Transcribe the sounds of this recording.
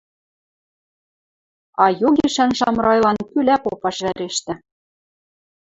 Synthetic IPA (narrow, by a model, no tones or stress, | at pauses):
ɑjoɣiʃænʃɑmrɑjlˠɑnkylæpopɑʃβæɾeʃt̪ɘ̆